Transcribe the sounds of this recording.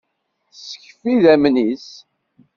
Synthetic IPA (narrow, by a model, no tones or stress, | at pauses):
sə̥çfiðæmnis